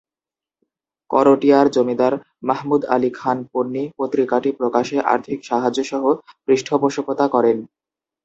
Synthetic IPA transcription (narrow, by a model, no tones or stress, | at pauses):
kɔ̰ɾoʈiaɾd͡ʑomid̪aɾ | maɦmud̪a̰likʰanpoɾnːipot̪ɾikaʈipɾokaʃeʔa̰ɾt̪ʰikʃaɦad͡ʑoʃɔɦobɾiʃʈʰopoʃopot̪akɔɾen